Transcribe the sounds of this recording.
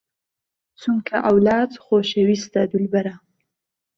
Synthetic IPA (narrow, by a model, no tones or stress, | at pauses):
t͡suŋkʰaʔawlɑːd̪xoʃewist̪ad̪ʊlbaɾa